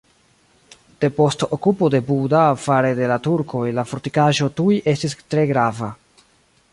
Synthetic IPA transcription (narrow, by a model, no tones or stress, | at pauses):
d̥e̞po̞stokupo̞de̞budafaɾe̞de̞latuɾkʰo̞jlafo̞ɾtikaʒo̞tujʔe̞stistɾe̞ɡɾava